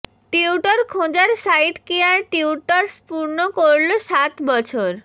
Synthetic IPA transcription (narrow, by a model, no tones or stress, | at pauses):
ʈiuʈaɾkʰod͡ʑaɾsajʈkiaɾʈiuʈaɾspuɾnokoɾloʃat̪bɔt͡ɕʰoɾ